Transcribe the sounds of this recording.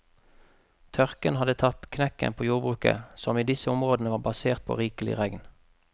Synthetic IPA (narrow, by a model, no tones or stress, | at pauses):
t̪ʰœʁkənhɑd̪ət̪ʰɑt̪kʰnɛkə̰npʰoːjuːʁbʁʉːkə̰sɔmiːd̪ɪsəʊmʁoːd̪n̩əʋɑːbɑseːʁt̪̚pʰo̰ːʁiːkəlɪ̰ʁɛɡn